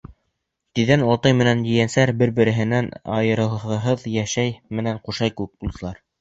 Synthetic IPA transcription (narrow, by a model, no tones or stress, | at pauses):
t̪iðænwɑlˠt̪ɤjmɘ̆nænjɘ̆jænsæɾbɘɾbɘ̆ɾɘ̆ɦɘ̆nænɑ̰jɤ̆ɾɤ̆ʁɤ̆ɦɤðjæʃæjmɘ̆næɴquʃɑjkʉɘk̚bulˠd̪ɤ̆lˠɑɾ